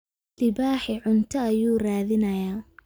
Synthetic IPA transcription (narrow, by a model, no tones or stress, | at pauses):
lɪbaːħɪʕʊnt̪ʰɐːjuːraːðɪnɐjaː